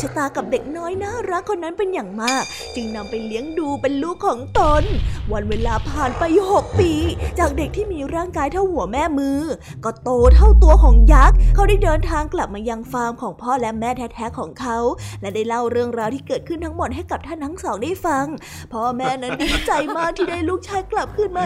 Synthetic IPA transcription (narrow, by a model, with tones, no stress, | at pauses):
t͡ɕʰa˧t̪aː˧ka˨˩p̚de˨˩k̚nɔː˦˥jna˦˥ɾa˦˥ŋkʰo˧nːa˦˥npe˧njaː˨˩ŋmaː˥˩k̚ | t͡ɕɯ˧ŋna˧mpa˧jli˦˥əŋduː˧pe˧nlu˦˥kʰːɔː˩˦ŋt̪o˧nwa˧nweː˧laː˧pʰaː˨˩npa˧ju˨˩ho˨˩k̚piː˧t͡ɕaː˨˩k̚de˨˩k̚t̪ʰiː˥˩miː˧ɾaː˥˩ŋkaː˧jt̪ʰa˥˩whu˨˩˦əmɛː˥˩mɯː˧ | kɔː˥˩t̪oː˧t̪ʰa˥˩wt̪u˧ɐkʰɔː˩˦ŋja˦˥k̚ʰːa˦˥wdaː˥˩jdɤː˧nt̪ʰaː˧ŋkla˨˩p̚maː˧ja˧ŋfaː˧mkʰɔː˩˦ŋpʰɔː˥˩lɛ˦˥mɛː˥˩t̪ʰɛ˦˥t̪̚ʰːɛː˦˥kʰːɔː˩˦ŋkʰa˦˥wlɛ˦˥daː˥˩jla˥˩wɾɯ˥˩əŋɾaː˧wt̪ʰiː˥˩kɤː˨˩t̪̚kʰɯ˥˩nt̪ʰa˦˥ŋmo˨˩t̪̚ha˥˩jka˨˩p̚t̪ʰa˥˩nt̪ʰa˦˥ŋsɔː˩˦ŋdaː˥˩jfa˧ŋ | pʰɔː˥˩mɛː˥˩na˦˥nnda˥˩a˦˥t͡ɕa˧jmaː˥˩t̪ʰiː˥˩daː˥˩jluː˥˩k̚t͡ɕʰaː˦˥jkla˨˩p̚kʰɯ˥˩nmaː˧